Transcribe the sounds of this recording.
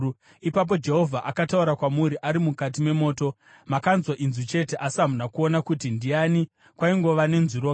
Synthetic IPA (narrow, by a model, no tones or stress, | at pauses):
ipap̬o̞d͡ʒe̞ɦo̞vʱaʔakatauɾakwamuɾiʔaɾimukat̬ime̞mo̞ːto̞ | makanzwaʔinzut͡ʃe̞te̞ʔasamunakuonakutindiani | kwaiŋɡo̞ʋane̞nziɾo